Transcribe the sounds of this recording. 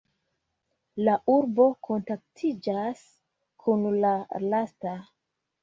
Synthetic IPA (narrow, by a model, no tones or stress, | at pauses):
laʔuɾbo̞kʰo̞ntak̚tʰid͡ʒas | kʰunlalasta